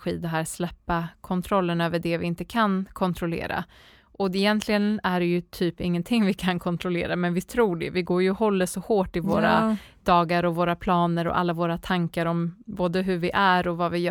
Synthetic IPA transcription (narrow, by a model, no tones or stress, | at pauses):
ɧiːd̪ɛɦæːɾslɛpːakʰɔnt̪ʰɾɔlːənøːvəɖɛvɪɪnt̪əkʰankʰɔnt̪ʰɾɔlḛːɾa̰ | ʔɔɛjɛnt̪ʰlɪɡənæɖɛjɵt̪ʰyːpɪŋːənt̪ʰɪŋːvɪkʰankʰɔnt̪ʰɾɔlḛːɾamɛnvɪt̪ʰɾuːɖɛ̰vɪɡoːɾjɵhɔlːəsɔhoːʈːɪvoːɾa̰d̪ɑːɡaɾɔvoːɾapʰlɑːnəɾɔ̰ʔa̰lːavoːɾat̪ʰaŋkaɾɔmboːd̪əɦɵɾvɪʔæɾɔvɑvɪj